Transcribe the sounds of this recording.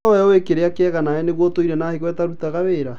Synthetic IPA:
ɔjɔwekeɾeakeɛɣanaɛneɣwɔtoiɾɛnaːheɣwɛtaɾutaɣaβeɾa

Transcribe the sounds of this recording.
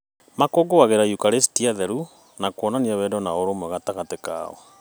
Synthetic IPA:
makoɡowaɣeɾaiukaɾestiaðɛɾu | nakwɔnaniaβwɛdɔnaoɾomwɛɣataɣateka̰ɔ̰

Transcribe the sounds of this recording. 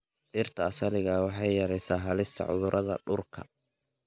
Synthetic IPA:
ʔɪrt̪ʰɐːsɐlɪɣɐwɑħɑjjɐɾɛjsaːɦɐlɪst̪ʰɐ̰ʕʊ̰ðʊɾʔɐðɐ̰ɖʊrkʰɐ̰

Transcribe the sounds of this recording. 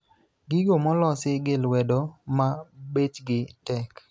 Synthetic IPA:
ɡiɡomɔlɔsɪɡɪlwɛdɔmabet͡ʃɡɪtɛk

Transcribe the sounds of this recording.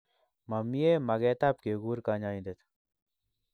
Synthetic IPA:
mɐmijemɐɡeːt̪ap̚keɡuːɾkaːɲaːĩd̪et̪ʰ

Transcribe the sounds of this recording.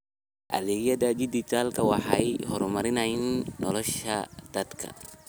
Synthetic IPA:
ʔɐ̰lɛɣjɐdɐd͡ʒɪd̪ɪt̪ʰaːlkʰɐwɑħɑjhɔɾmɐɾɪnɐjɪnːɔlɔʃɐ̰d̪̥ɐd̪kʰɐ̰

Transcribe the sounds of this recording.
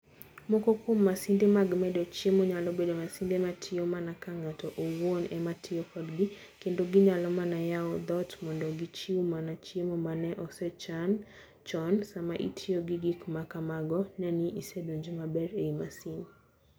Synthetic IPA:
mokɔkumːasindemaɡmɛdɔt͡ʃiemoɲalɔbedomasindematʰɪɔmanakaŋatɔʔowonɛmatʰiɔkɔdɡi | kendoɡiɲalɔmanajaɔd̪ɔtmɔndɔɡit͡ʃiumanat͡ʃemomanɛʔɔsɛt͡ʃan | t͡ʃɔnsamaʔḭtʰiɔɡiɡikmakamaɡɔnaniʔisɛdoɲd͡ʒemabɛɾeimasin

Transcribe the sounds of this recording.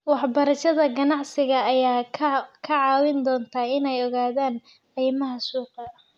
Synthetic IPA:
wɑħbɐɾɐʃɐðɐɡɐnɑʕsɪɣɐːjaːkʰɐʕɑːwɪnd̪ɔːnt̪ʰɐɪnɛjɔɣaːðaːn | qiːmɐɦɐsuːqɑ

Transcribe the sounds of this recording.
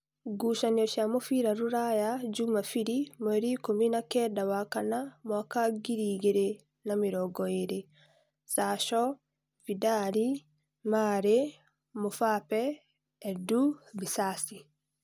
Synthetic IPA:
ɡuːʃanijɔʃjamofiɾaɾuɾajaɟumafiɾimweɾikominakɛdawakanamwakaɡiɾiːɡeɾe | namiɾɔɡɔeɾe | saʃɔ | vidaɾi | maɾe | mofapɛː | dubisasi

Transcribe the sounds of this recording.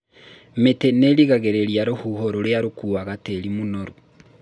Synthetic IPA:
meteneɾiɣaɣeɾeɾjaɾohuɦoɾoɾeaɾokuːaɣateɾimunoɾo

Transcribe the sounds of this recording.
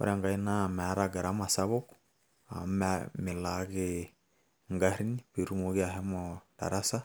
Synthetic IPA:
o̰ɾjaŋɡainamɛɾaɡaɾamasaβok | a̰mɛmelaɣe | ŋɡaɾiniβeɾumoɣeaɦɛmɔda̰ɾasa

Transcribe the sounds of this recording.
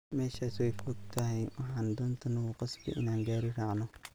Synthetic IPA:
mɛːʃaːswɛjfɔɡ̚t̪ʰɐɦɛjwɑħaːnd̪ʊnt̪ʰɐnɐɣʊqɑsbɪ̰ʔɪ̰naːŋɡaːɾɪrɑʕnɔ

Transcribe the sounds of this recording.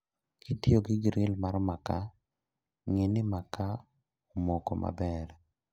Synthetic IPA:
kitijoɡɪɡɾɪlmaɾɔmaka | ŋɪnɪmaka | omokoma̰bɛɾ

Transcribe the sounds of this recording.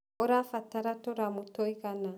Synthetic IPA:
oɾafataɾatoɾamutoiɣana

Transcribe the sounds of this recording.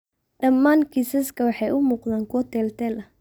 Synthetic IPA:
ɖɐmːaːŋkʰisɐskʰɐwɑħɑjʊmuːqðaːŋkʰwɔt̪ʰɛːlt̪ʰɛːlɐ

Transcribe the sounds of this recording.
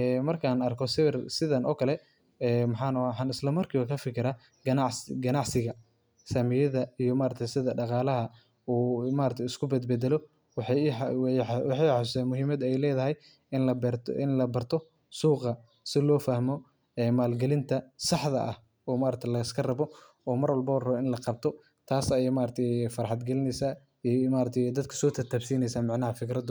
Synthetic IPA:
ɛmɐrkʰaːnɐrkʰɔsɪrsɪðɐnʔɔ̰ːkʰɐlɛ | ɛːmɑħɑːnɐaħɑnɪslɐmɐrkʰiːwakʰɐfɪkʰɪɾɐ | ɡɐnɑʕsɡɐnɑʕsɪɣɐ | sɐmɪjɐðɐijɔmaːɾɐt̪ʰɛjsɪðɐɖɑqɑːlɐɦɐ | uːmaːɾɐkt̪ʰjɪskʰʊbɛd̪̚bɛd̪ɛlɔ | wħwwɑħɑjħasʊsɛːnmʊɦiːmɐd̪ɛjlɛːðɐɦɛj | nɐbɛɪ̰nlɐbɐrt̪ʰɔ | suːqɐ | sɪlɔːfɐhmɔ | ɛːmaːlɡɛlɪnt̪ʰɐsɑħðɐʔɐ̰h | ɔːmaːɾɐt̪ʰɐlɐɪskʰɐrɐβɔ | ɔːmɐrwɐlbɔwrɐɪnlɐqɑb̚t̪ʰɔ | t̪ʰaːsɐjɛmaːɾɐt̪ʰɛjfɐɾħɑd̪ɡɛlɪnɛjsaː | imaːɾɐt̪ʰɛjd̪ɐd̪kʰɐ̥sɔːt̪ʰɐrt̪ʰaːbsiːnɛjsaːmɑʕnɐɦɐfɪkɾɐd̪ʊ

